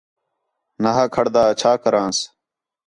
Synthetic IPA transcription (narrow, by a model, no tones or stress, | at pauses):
nɐɦaːkʰɐɽd̪aːt͡ɕʰaːkɐɾãːs